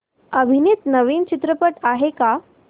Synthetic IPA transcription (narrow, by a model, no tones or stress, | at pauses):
əbʱinit̪nəʋiːnt͡ɕit̪ɾəpəʈaɦeka